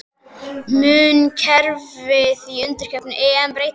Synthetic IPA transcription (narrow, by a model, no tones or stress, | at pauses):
mʏːncʰɛɾvɪðiʏnt̪ɪɾ̥cʰɛpnʏʔɛːanpɾeːj